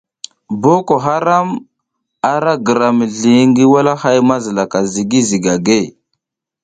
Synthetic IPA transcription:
bo˦ko˨ɦa˦ɾa˦m | a˨ɾa˦ɡə˨ɾa˨mə˨ɮi˨˦ŋɡi˦wa˦la˦ha˦jma˦zə˨la˨ka˨zi˨ɡi˦zi˨ɡa˨ɡe˦˨

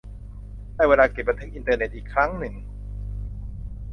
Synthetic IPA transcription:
aː˥˩jweː˧laː˧ke˨˩p̚ɾa˧t̪ʰe˦˥k̚ʔi˧nt̪ɤː˧ne˨˩t̪̚ʔiː˨˩kʰɾa˦˥ŋnɯ˨˩ŋ

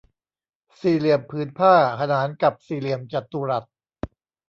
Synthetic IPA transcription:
siː˧˩li˨˩əmpʰɯː˩˦˥npʰaː˥˩kʰa˧naː˩˦nka˨˩p̚siː˧˩li˨˩əmt͡ɕa˨˩t̪u˧ɾa˨˩t̪̚

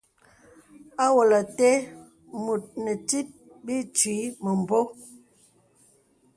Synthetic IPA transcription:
a˦wo˨la˨te˦ | mu˨t̚nə˨ti˦t̚ | bi˦t͡ʃɥiː˨˦mə˨m˨bo˦

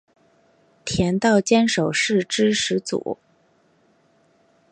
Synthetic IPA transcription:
t̪ʰjɛ˧˥nt̪ɑ˥˩ʊt͡ɕjɛ˥nʂo˨˩ʊʂɻ̩˥˩ʈ͡ʂɻ̩˥ʂɻ̩˧˥t͡sṵ˨˩˦

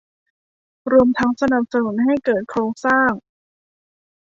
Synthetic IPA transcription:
ɾu˧əmt̪ʰa˦˥ŋsa˧na˨˩p̚sa˧nu˩˦nɦa˥˩jkɤː˨˩t̪̚kʰɾoː˧˩ŋsaː˥˩ŋ

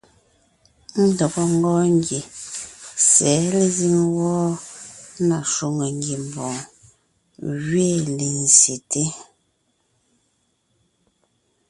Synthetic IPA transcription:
n̩˦dɔ˨kɔ˦ŋ˦ɡɔː˦ŋ˦ɡi˨ | sɛ˨˦le˦˨zi˦ŋwɔː˦ | na˨ʃu˦˨ŋə˨ŋɡji˨m˨bɔ̃˨ | ɣɥe˦˨le˨n˨sje˨te˦

